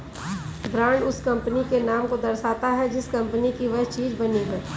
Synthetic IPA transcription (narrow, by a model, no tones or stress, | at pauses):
bɾãːɳɖʊskɐ̃mpnikenaːmkod̪ɐɾsaːt̪aɦɛd͡ʒɪskɐ̃mpənikiʋɐɦt͡ʃiːd͡ʒbɐniɦɛː